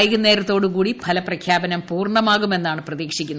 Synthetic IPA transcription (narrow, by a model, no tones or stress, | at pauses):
jɐɣunːe̞ːɾɐt̪ːo̞ːɽukuːɽipʰɐlɐprɐkʰjaːbɐnɐmpuːrɳɐmaːɣume̞nːaːɳɨprɐðiːkʂikʲːunː